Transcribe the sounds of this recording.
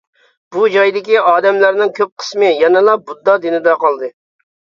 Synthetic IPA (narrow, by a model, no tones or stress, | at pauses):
bud͡ʒɑjd̪ɪkʲiɑːd̪ɛmlæɾnɪŋkʲʰøp̚qʰə̥smɨjɛnɨlˠɑbud̪ːɑd̪ɪnɪd̪ɑqɑlˠd̪ɨ